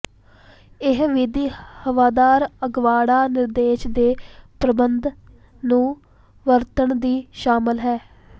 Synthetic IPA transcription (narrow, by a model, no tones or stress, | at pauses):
ɪɦʋɪd̪iːhəʋaːd̪aːɾəɡʋaːɽaːnɪɾd̪eːʃd̪eːpɾəbənd̪ | nũː | ʋəɾt̪əɳd̪iːʃaːmɪlɦɛː